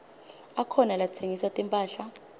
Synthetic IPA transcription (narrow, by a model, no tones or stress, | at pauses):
akʰɔnalat͡sʰeŋisatʼimpʼaːɬa